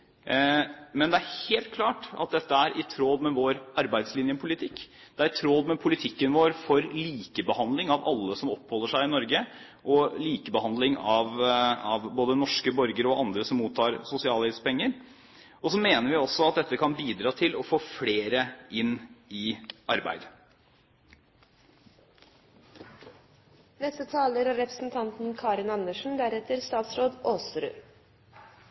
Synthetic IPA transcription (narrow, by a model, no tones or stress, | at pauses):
mɛnd̪ɛæɾheːlt̪̚kʰlɑːʈɑ̰t̪̚d̪ɛt̪ːəæɾʔɪt̪ʰɾoːd̪mɛʋoːɾɑɾbæɪd̪slɪnjəpʰʊlɪt̪ʰɪkː | d̪̥ɛæɾt̪ʰɾoːd̪mɛpʰʊlɪt̪ʰɪkːənʋoːɾfɔɾliːkəbəhɑnd̪lɪŋɑʋɑ̰lːəsɔmɔpːhɔlːəʂæɪɪnɔɾɡə | ʔɔliːkəbəhɑnd̪lɪŋɑʋɑʋboːd̪ənɔʂkəbɔɾɡəɾɔʔɑnd̪ɾəsɔmːuːt̪ʰːɑːɾsʊsɪɑːlɛspɛŋːəɾ | ɔsɔmeːnəɾʋɪɔsɔɑt̪̚d̪ɛt̪ːəkʰɑnbiːd̪ɾɑːt̪ʰɪlɔfoːfleːɾəʔɪnːɪʔɑɾbæ̰ɪd̪ | nɛst̪ət̪ʰɑːləɾɑɾɛpɾəsn̩t̪ʰɑnt̪n̩kʰɑːɾɪnɑnːəʂn̩d̪æɾɛt̪əɾst̪ɑːt̪sɾoːd̪oːsɾʉ̰ː